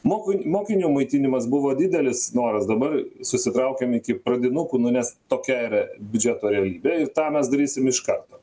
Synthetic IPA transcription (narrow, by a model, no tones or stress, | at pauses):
moːkɪnʲmoːkʲɪnʲuːmɐɪt̪ʲinʲɪmɐsbʊʋoːd̪ʲɪd̪ʲɛlʲɪsnoːɾɐsd̪ɐbɐrsʊsʲɪt̪ɾɐʊkʲɛmɪkʲɪpɾɐd̪ʲɪnʊkunʊnʲɛst̪oːkʲɛiɾɐbʲʊd͡ʒʲɛt̪oːɾʲɛɐlʲiːbʲɛɪrt̪ɑːmʲɛsd̪ɐɾʲiːsʲɪmɪʃkɐrt̪oː